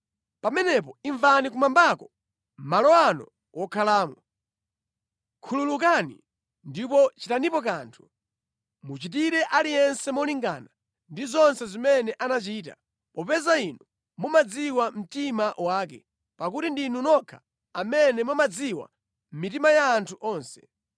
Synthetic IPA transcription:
pamɛnɛp̬ɔiɱvanikumambakɔ | malɔanɔ̰ | wɔkʰalaːmɔ | kʰululuk̬anḭ | ndipɔt͡ʃitanipɔk̬aːntʰu̥ | mut͡ʃit̬iɾɛʔalijɛnsɛmɔliŋɡa̰na | ndizɔnsɛzimɛnɛʔanat͡ʃiːta̰ | pɔpɛzainɔ | mumad͡ziwam̩timaʔwaːkɛ̰ | pakutindinunɔkʰḁ | amɛnɛmɔmad͡ziwa̰ | m̩mitimajaːntʰuʔɔːnsɛ̥

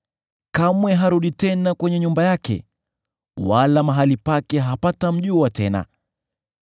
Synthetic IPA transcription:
kamwɛɦaɾuɗitɛnakwɛɲɛɲumbajakɛ̰ | walamaɦalipakɛɦapatam̩ʄuːwatɛna̰

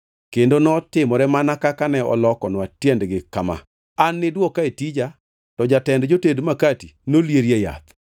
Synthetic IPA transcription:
kendonɔtɪmɔɾɛmanakakanɛɔ̰lɔkɔnwatjɛndɡɪkama̰ | anːɪdwɔkaetid͡ʒa | tɔd͡ʒatɛndd͡ʒotedmakatinoljeɾjeja̰t̪

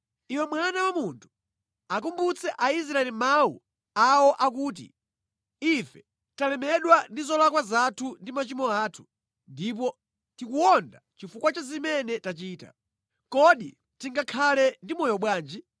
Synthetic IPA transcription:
iwɛmwanawamuntʰu̥ | ak̬umbut͡sʰɛʔais̬ɾaɛlimawṵ | awɔʔak̬uːt̬ḭ | ifɛ | talɛmɛɗwandizɔlakwazatʰundimat͡ʃimɔaːtʰu̥ | ndip̬ɔ | tikuɔndat͡ʃifukwat͡ʃazimɛnɛtat͡ʃiːta̰ | kɔɗḭ | tiŋɡakʰalɛndimɔjɔɓwaːnd͡ʒi

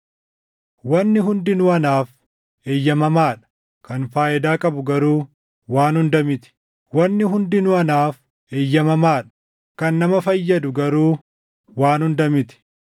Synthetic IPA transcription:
wɐnːɪɦʊnd̪ɪnʊɐnaːf | eːjːɐmɐmaːᶑɐ̥ | kɐnfaːʔɪd̪aːkʼɐbʊɡɐɾuː | waːnhʊnd̪ɐmɪt̪ɪ̥ | wɐnːɪɦʊnd̪ɪnʊɐnaːf | eːjːɐmɐmaːᶑɐ̥ | kɐnːɐmɐfɐjːɐd̪ʊɡɐɾuː | waːnhʊnd̪ɐmɪt̪ɪ̥

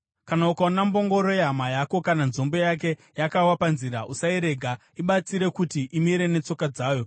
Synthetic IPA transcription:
kanaukaunambo̞ŋɡo̞ɾojeɦamajako̞kananzo̞mbo̞jak̬e̞ | jakawapanziɾaʔusaiɾe̞ɡʱa | iɓat͡siɾe̞kutiʔimiɾe̞ne̞t͡so̞kad͡zaːjo̞

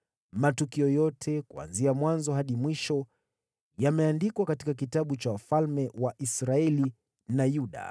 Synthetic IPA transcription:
matukiɔjɔtʰɛkua̰nziamwanzɔɦaɗimwiʃɔ | jamɛandikwakatikak̬itaɓut͡ʃawafalmɛwaʔisɾaɛli | najuɗa̰

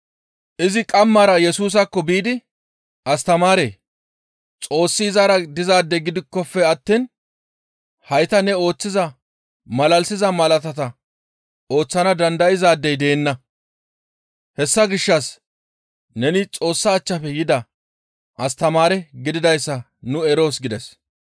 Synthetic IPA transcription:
ʔɪzɪkʼɐmːɐɾɐjɛsuːs̬ɐkːɔbiːd̪ɪ | ʔɐst̪ɐmaːɾe̞̰ː | t͡sʼo̞ːsːizaɾɐd̪ɪzaːd̪ːɛɡɪd̪ɪkːɔfɛɐt̪ːiːn | hɐjt̪ɐnɛo̞ːt͡sːɪzɐ | mɐlɐlsɪzɐmɐlɐt̪ɐt̪ɐ | o̞ːt͡sːɐnɐd̪ɐnd̪ɐɪzaːd̪ːɛjd̪e̞ːnːɐ | hɛsːɐɡɪʃːɐs | nɛnɪt͡sʼo̞ːsːɐːt͡ʃːɐfɛjɪd̪ɐ | ʔɐst̪ɐmaːɾɛɡɪd̪ɪd̪ɐjsːɐ | nʊɛɾo̞ːsɡɪd̪ɛs

